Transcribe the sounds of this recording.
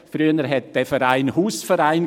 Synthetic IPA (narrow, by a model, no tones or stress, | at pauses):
fɾyənəɾɦɛt̚d̥ɛfəɾaɪnhuːsfəɾaɪn